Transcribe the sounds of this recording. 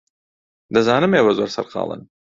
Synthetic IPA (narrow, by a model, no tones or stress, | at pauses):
d̪ɐzaːnɨmeːwɐzwɐɾsɐ̰ɾqʰɑ̰ːlˠə̰n